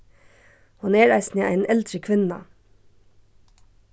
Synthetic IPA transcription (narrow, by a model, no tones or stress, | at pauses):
honeːɹæ̰ɪsneːʔæ̰ɪnʔɛld̪ɾəkʰʋɪnɑ̰